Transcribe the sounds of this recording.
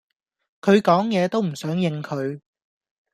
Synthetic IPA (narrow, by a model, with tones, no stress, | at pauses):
kʰɵ˨˧ɥkɔː˨˥ŋjɛː˨˧t̪o˥wm̩˨˩sœː˨˥ŋjɪ˧ŋkʰɵ˨˧ɥ